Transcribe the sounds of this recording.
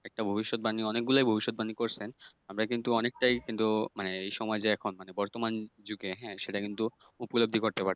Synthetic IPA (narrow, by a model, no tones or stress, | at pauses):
ɛk̚ʈabʱobiʃːot̪̚baniɔnek̚ɡulajbʱobiʃːot̪̚banikoɾt͡ɕʰen | amɾakint̪uɔnek̚ʈajkint̪umaneejʃɔmɔed͡ʑeɛkʰonmanebɔɾt̪omand͡ʑuɡeɦɛ̃ʃeʈakint̪u | upolob̚d̪ʱikoɾt̪epaɾʰe